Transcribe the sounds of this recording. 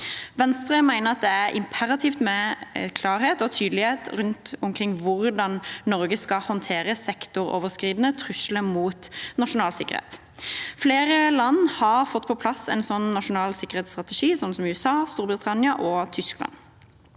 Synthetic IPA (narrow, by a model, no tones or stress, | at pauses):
ʋɛnst̪ʁəmæɪnəʁɑt̪̚d̪ɛæʁʔɪ̰mpʰæɾɑt̪ʰiːft̪mɛkʰlɑːʁheːt̪ɔt̪ʰyːd̪əlɪheːt̪ʁʉnt̪ʊmkʰʁɪŋːʋʊʁd̪ɑnnɔʁɡəskɑhɔnt̪ʰeːʁəsɛkt̪ʊʁɔ̰ːʋəʁskʁiːd̪nət̪ʰʁʉʃləmuːt̪nɑʂʊnɑːlsɪkə̰ʁhḛːt̪ | fleːʁəlɑnhɑʁfɔt̪ːpʰɔpʰlɑsɛ̰ɪnsɔnnɑʂʊnɑːlsɪkːəʁeːt̪st̪ʁɑt̪ɛʂiːsɔnsɔmʉːsɑːst̪uːɾbʁət̪ʰɑnɪɑʔɔt̪ʰʏsklɑ̰n